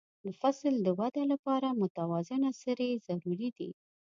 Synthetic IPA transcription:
lafasld̪əwad̪alapɑɾamʊt̪awɑzɪnasaɾezaɾuɾid̪ḭ

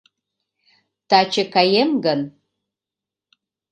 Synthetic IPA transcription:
tʰat͡ʃʰɪkʰajemɡan

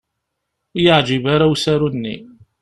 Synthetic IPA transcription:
jəʕd͡ʒivaɾawsaɾunːḭ

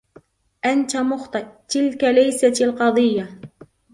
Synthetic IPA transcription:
ʔant̪amʊxt̪ˤɨʔt̪ɪlkalajsaalqɑd̪ˤɨjːa

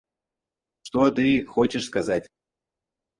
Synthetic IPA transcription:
ʂt̪ot̪ɨxot͡ɕɪʂskɐzatʲ

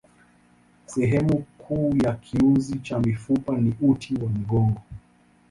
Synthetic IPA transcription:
sɛɦɛmukʰuːjakʰiunzit͡ʃamifupaniutʰiwam̩ɡɔŋɡɔ

